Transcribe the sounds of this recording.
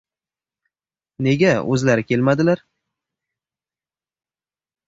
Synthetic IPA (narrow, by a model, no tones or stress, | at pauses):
ne̞ɡʲaɵ̰zlaɾɪkʲʰe̞lmad̪ɪlaɾ